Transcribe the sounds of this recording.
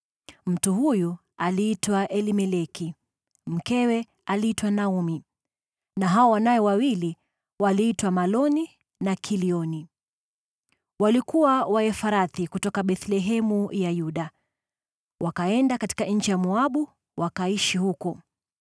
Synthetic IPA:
m̩tuhuju | aliitwaʔɛlimɛlɛki | m̩kɛwɛ | aliitwanaumi | naɦaɔwanajɔwawili | waliːtwamalɔni | nakʰiliɔni | walikuwawaɛfaɾaθikutɔkaɓɛθlɛɦɛmujajuɗa | wʔakaɛndakati̥kaɲ̩t͡ʃijamuaɓu | wakaiʃihukɔ

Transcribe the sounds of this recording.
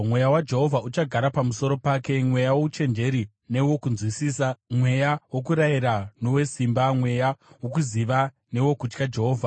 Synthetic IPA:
mwe̞jawad͡ʒe̞ɦo̞vʱaut͡ʃaɡʱaɾapamuso̞ɾo̞paːke̞mwe̞jawo̞ut͡ʃe̞nd͡ʒe̞ɾi | ne̞wo̞kunzwisisamwe̞jawo̞kuɾaiɾano̞we̞simbamwe̞jawo̞k̬uziʋa | ne̞wo̞kut͡ʃkad͡ʒe̞ɦoːvʱa

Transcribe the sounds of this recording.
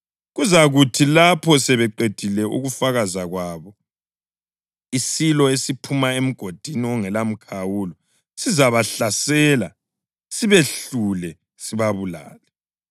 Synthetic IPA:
ɣuzaɣutʰilapʰɔsɛβɛǃed̥ʱilɛʔṵɣufaɣazaɣwaːβɔ | isilɔesipʰumaem̩ɡ̥ʱod̥ʱiniɔŋɛlam̩kʰawulɔ | sizaβaɬasɛːla̰ | siβeɬulɛ | siβaβula̰ːlɛ

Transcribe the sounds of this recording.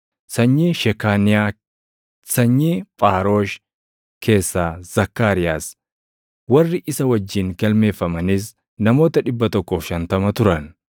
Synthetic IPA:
sɐɲːiːʃɛkaːnɪa | sɐɲːiːpʼaːɾo̞ːʃ | kʰe̞ːsːaːz̥ɐkːaːɾɪjaːs | wɐrːɪʔɪsɐwɐd͡ʒːiːŋɡɐlme̞ːfːɐmɐnis̬ | nɐmo̞ːt̪ɐᶑɪbːɐt̪ɔkːɔfʃɐnt̪ɐmɐt̪ʊɾɐn

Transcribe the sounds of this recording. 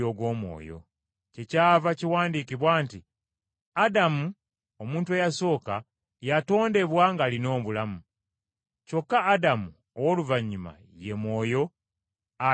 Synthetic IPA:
o̞ːɡwo̞ːmwo̞̰ːjo̞̰ | cecaːvaciwaːndikiβwaːnti | adamu | o̞muːntuejaso̞ːka | jato̞ːnde̞βwaŋɡaːlino̞ːβulamu | co̞kːaːdamu | owoluvaɲːuma̰ | je̞mwo̞ːjo̞ | a

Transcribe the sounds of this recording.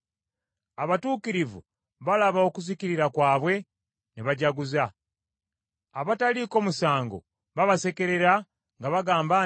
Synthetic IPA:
aβatuːkiɾivṵ | βalaβao̞kuziciɾiɾakwaːβwe̞ | niβaɟaɡuza | βataliko̞ːmusaːŋɡo̞̰ | βaβase̞ke̞ɾe̞ɾa | ŋɡaβaɡaːmba

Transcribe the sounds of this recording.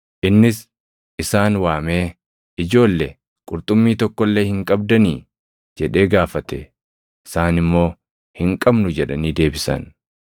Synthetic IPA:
ʔɪnːɪs | ʔɪsaːnwaːme̞ː | ɪd͡ʒo̞ːlːe | kʼʊɾt̪ʼʊmːiːt̪ɔkːɔlːe̞ːhɪŋkʼɐb̚d̪ɐniː | d͡ʒɛᶑe̞ːɡaːfɐt̪ɛ | ɪsaːnɪmːo̞ː | hɪŋkʼɐbnʊd͡ʒɛᶑɐniːd̪e̞ːbɪsɐ̰n

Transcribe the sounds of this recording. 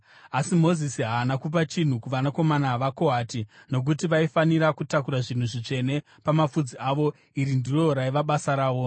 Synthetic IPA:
asimo̞zisiɦaːnakup̬at͡ʃin̤ukuʋanako̞manaʋako̞ɦaːtino̞k̬utiʋaifaniɾakutakuɾaʐin̤uʐit͡ʂe̞ne̞ | pamafud͡ziʔaʋo̞ | iɾindiro̞ɾaiʋaɓasaɾaːʋo̞

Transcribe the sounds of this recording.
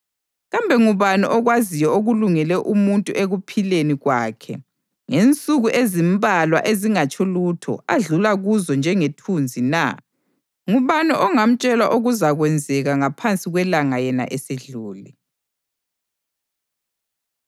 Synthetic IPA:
ɣambʱɛŋuβanɛʔɔɣwazijɔoɣuluŋɛlɛʔumuntʼuʔeɣupʰileniɣwaːkʰɛ̰ | ŋent͡sʼuɣuʔezimbʱalwa̰ʔeziŋat͡ʃʰʼɔlutʰɔ̰aɮulaɣuzɔnd͡ʒʱɛŋetʰund͡zʱina̰ | ŋuβanɛʔɔŋam̩t͡ʃʼɛlwaʔoɣuzaɣwɛnd͡zʱɛɣaŋapʰant͡sʼiɣwɛlaŋajɛna̰ʔɛseɮuːli

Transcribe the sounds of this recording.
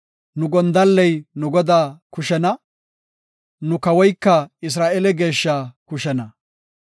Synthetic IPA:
nʊɡɔnd̪ɐlːɛjnʊɡɔd̪aːkʊʃɛnɐ | nʊkɐwɔjkːɐɪs̬ɾaːʔɛlɛɡe̞ːʃːaːkʊʃɛnɐ

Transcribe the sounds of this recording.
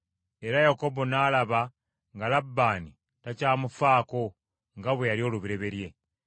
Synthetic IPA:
e̞ɾajako̞bo̞naːlaβa | ŋɡalabːaːni | tacaːmufaːko̞ | ŋɡaβwe̞jalio̞ːluβiɾe̞βe̞ɾje̞

